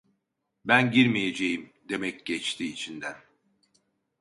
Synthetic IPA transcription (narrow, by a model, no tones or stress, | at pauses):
bænɟiɾmije̞d͡ʒejimd̪e̞mɛcɟɛt͡ʃt̪ʰiːt͡ʃʰind̪æn